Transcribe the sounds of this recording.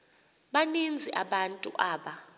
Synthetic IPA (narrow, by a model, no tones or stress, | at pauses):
ɓanind͡zʱiʔaɓantʼṵʔaːɓa